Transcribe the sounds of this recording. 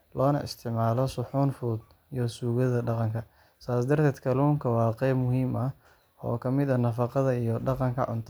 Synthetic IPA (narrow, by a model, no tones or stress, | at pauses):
lɔːnɐ̰ʔɪ̰st̪ʰɪʕmaːlɔsʊħuːnfuːd̪ | ijɔsuːɣɐðɐɖɑqɑŋkʰɐ | saːsd̪ɐrt̪ʰɛːd̪kʰɐluːŋkʰɐwɑːqɛjbmʊɦiːmɐ | ɔ̰ːkʰɐmɪðɐnɐfɑqɑðɐijɔɖɑqɑŋkʰɐʕʊ̰nt̪ʰ